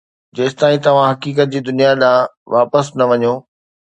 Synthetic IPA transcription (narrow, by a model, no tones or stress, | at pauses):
d͡ʑɐːst̪aːĩt̪ɐʋ̤ãɦɐkiːk̬ət̪̚d͡ʑiːd̪ʊnijaɗãːʋaːpəsnɐʋɐɲoː